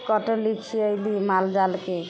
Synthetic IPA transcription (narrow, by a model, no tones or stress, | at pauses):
kɔʈolit͡ʃʰiojlimald͡ʒalke